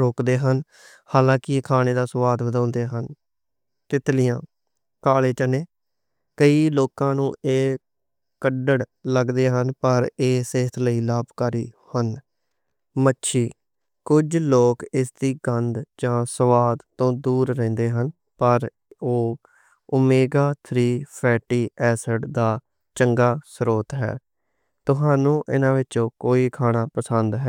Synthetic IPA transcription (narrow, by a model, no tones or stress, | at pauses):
ɾoːkd̪eːɦən | haːlãːkɪkʰaːñeːd̪aːsʋaːd̪bəd̪ãːnd̪eːɦən | t̪ɪt̪lɪjãː | kaːleːt͡ʃəneː | kəiːloːkãːnũːʔeː | kəɖəɽləɡd̪eːɦənpəɾeːseːɦət̪ʰləiːlaːbkaɾiːhən | mətːʃʰiː | kʊd͡ʒloːkɪsd̪iːɡənd̪d͡ʒãːsəʋaːd̪t̪õːd̪uːɾːɛ̃ːnd̪eːɦən | pəɾ | oː | ʊmeːɡaːt̪ʰɾiːpʰɛːʈiːʔɛːsəɖd̪aː | t͡ʃəŋɡaːsɾoːt̪ɦɛ̰ː | t̪ʊɦaːnũːʔɪ̰nãːʋɪt͡ʃõːkoːiːkʰaːɽaːpəsənd̪ɦɛː